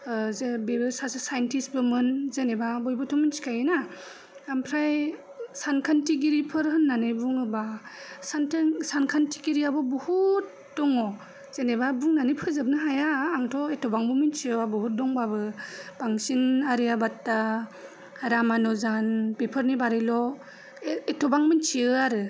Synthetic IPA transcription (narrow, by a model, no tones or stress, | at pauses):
zebebɯsasɯsajentʰisbɯmɯnzenebabɔjbɔtʰɔminsi̥kʰajɯnaː | mpʰɾaj | sankʰantiɡiɾipʰɯɾɦɯnːanɯjbuŋɯbasantsankʰantʰi̥ɡiɾiabɔbɔhut̚ | dɔŋɔ | zenebabuŋnanɯjpʰɯzɯp̚nɯɦajaːŋtʰɔetʰɔbaŋbɔmint͡ʃiɯabɔhut̚dɔŋbabɯb̥aŋsinaɾijabatːa | ɾamanɔzanbepʰɯɾnibaɾilɔ | etʰɔbaŋmint͡ʃiɯaɾɯ